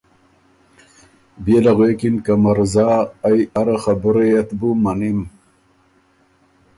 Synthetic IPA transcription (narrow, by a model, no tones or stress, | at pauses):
bielaɣwekinkamaɾzaːjaɾaxabəɾeːt̪bumanim